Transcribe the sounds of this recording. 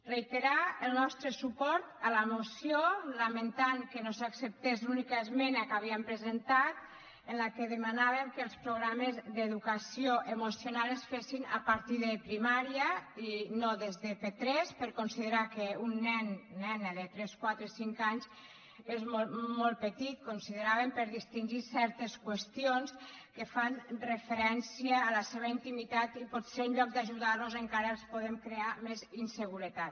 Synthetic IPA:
rejt̪eɾaəlˠnɔst̪ɾəsupɔɾt̪aləmosiolament̪aŋkenosaksep̚t̪ezunikaezmɛnakaβ̞iəmpɾezent̪at̪ | ənlakeðəmanaβemkəlˠspɾoɣɾamezðeðukasioʔemusionalˠesfesinapaɾt̪iðəpɾimaɾiainoðezðəpet̪ɾɛspəɾkonsiðeɾakeunːɛnːɛnəðet̪ɾɛskwat̪ɾesiŋkaɲz | ezmomɔlˠt̪̚pet̪it̪̚konsiðeɾaβempəɾðist̪iŋʒisɛɾt̪eskwest̪ionskefanrefeɾɛnsiəːləseβ̞əint̪imit̪at̪ipɔt̪seɾuɲʎɔk̚d̪aʒuðaɾnuzeŋkaɾəelˠspoð̞emkɾeamezinseɣuɾət̪at̪

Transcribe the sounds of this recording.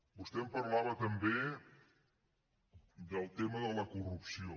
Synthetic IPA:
bust̪ɛmpəɾlaβət̪əmbe | d̪əlˠt̪eməðələkurupsio

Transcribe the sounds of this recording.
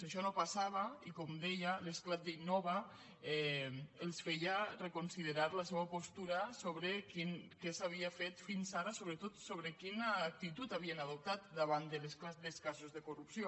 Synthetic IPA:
aʃɔnopasaβaikomd̪ejalesklat̪̚d̪einːɔβa | ɛelˠsfɛjarekonsiðeɾaɾlas̬eβapost̪uɾasoβɾekinkɛsaβiafet̪finsaɾasoβɾet̪ot̪soβɾekinaːk̚t̪it̪ut̪aβ̞ienaðop̚t̪at̪̚d̪aβand̪əlesklad̪eskazozðekorupsio

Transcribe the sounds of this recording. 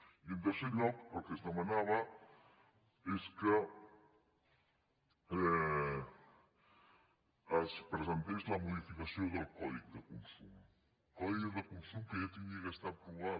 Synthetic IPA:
iund̪əɾseɾʎɔkpolkəzðəmɐnaβɐ | eskə | ɛ | əspɾəzent̪ezlɐmuðifikasjoðəlˠkɔðikd̪əkunsum | kɔðiɣðəkunsumkəʒat̪iɲiɣəst̪apɾuβa

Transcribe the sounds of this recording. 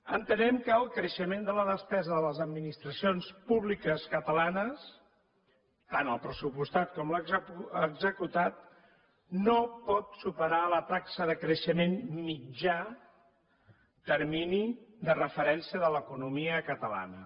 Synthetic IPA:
ənt̪ənɛmkəːəlˠkɾəʃəmend̪ələðəspɛzəðələzəd̪minist̪ɾəsionspuβlikəskət̪əlanəs | t̪anəlˠpɾəsupust̪at̪̚kɔmləəɡzəkut̪at̪̚ | nopɔt̪supəɾalət̪aksəðəkɾəʃəmenmid͡ʒa | t̪əɾminiðərəfəɾɛnsiəðələkunumiəkət̪əla̰nə

